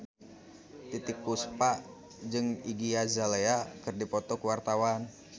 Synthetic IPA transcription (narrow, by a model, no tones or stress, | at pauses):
t̪it̪ik̚puspaʔ | d͡ʒɨŋiɡiazaleakɨrdipɔt̪ɔkwart̪awan